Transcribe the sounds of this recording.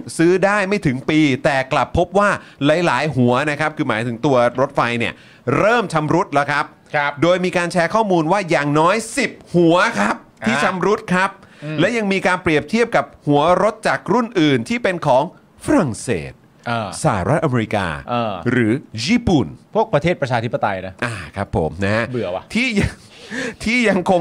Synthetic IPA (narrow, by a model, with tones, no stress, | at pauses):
sɯː˦˥daː˥˩jma˥˩jt̪ʰɯ˩˦ŋpiː˧t̪ɛː˨˩kla˨˩pʰːo˦˥p̚waː˥˩la˨˩˦jlaː˩˦jɦu˩˦ɐna˦˥kʰa˦˥p̚kʰɯː˧maː˩˦jt̪ʰɯ˩˦ŋt̪u˧ɐɾo˦˥t̪̚fa˧jni˥˩ɐ | ɾɤː˥˩mt͡ɕʰa˧mɾu˦˥t̪̚lɛ˦˥wkʰa˦˥p̚ | doː˧jmiː˧kaː˧nt͡ɕʰɛː˦˥kʰɔː˥˩muː˧nwaː˥˩jaː˨˩ŋnɔː˦˥jsi˨˩p̚hu˨˩˦ɐkʰa˦˥p̚tʰiː˥˩t͡ɕʰa˧mɾu˦˥t̪̚kʰɾa˦˥p̚ | lɛ˦˥ja˧ŋmiː˧kaː˧npɾi˨˩əp̚t̪ʰi˥˩əp̚ka˨˩p̚hu˨˩˦ɐɾo˦˥t̪̚t͡ɕa˨˩k̚ɾu˥˩nʔɯː˨˩nt̪ʰiː˥˩pe˧nkʰɔː˩˦ŋ | fʰa˧ɾa˨˩ŋsḛː˨˩t̪̚ | ʔaː˧˩sa˨˩a˦ɾa˦˥t̪̚ʔa˧meː˧ɾi˦˥ka̰ː˧ʔːɾɯː˩˦jiː˧˩pu˨˩npʰu˥˩ək̚pɾa˧t̪ʰeː˥˩t̪̚pɾa˧t͡ɕʰaː˧t̪ʰi˦˥pːa˧t̪a˧jna˦˥ʔaː˨˩kʰɾa˦˥pʰːo̰˩˦mna˦˥bɯ˨˩˦ɐ˧t̪ʰiː˥˩ja˧ | t̪ʰiː˥˩ja˧ŋkʰo˧